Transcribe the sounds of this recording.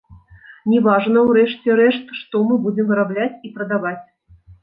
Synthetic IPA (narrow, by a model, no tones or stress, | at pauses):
nʲɛvaʐnɐwɾɛʂt͡sʲɛɾɛʂt̪ʂt̪ɔmɨbud͡zʲɛmvɨɾablʲat͡sʲipɾɐd̪avat͡sʲ